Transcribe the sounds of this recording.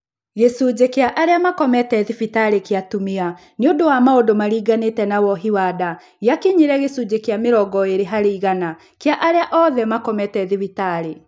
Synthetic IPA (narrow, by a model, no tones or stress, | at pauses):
ɣesud͡ʑekeaʔaɾeamakɔmɛtɛðifitaɾekeatumia | neondowamaodomaɾiːɡanetɛnawɔɦiwada | ɣjakeɲiɾɛɣesud͡ʑekjameɾɔɣɔeɾeɦaɾiiɣana | keaʔaɾeaʔɔðɛmakɔmɛtɛðifitaɾe